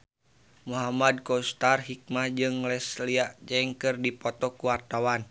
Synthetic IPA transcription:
muɦamad̚kɔst̪arɦik̚mahd͡ʒɨŋlɛsliaʔd͡ʒɛŋkɨrdipɔt̪ɔkuwart̪awan

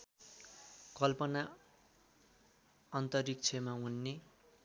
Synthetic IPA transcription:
kʌlpʌna | ʌnt̪ʌrikt͡sʰemaunːe

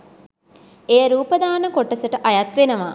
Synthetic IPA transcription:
ejəɾuːpəd̪aːnəkoʈːɐsəʈəʔajat̪ʋenəʋaː

